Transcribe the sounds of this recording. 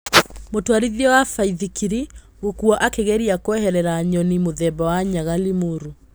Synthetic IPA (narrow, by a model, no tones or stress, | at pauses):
motwaɾiðiɔwafaiðikiɾi | ɣokuɔʔakeɣɛɾiakwɛɦɛɾɛɾaɲɔnimoðɛbɔwaɲaɣalimoɾu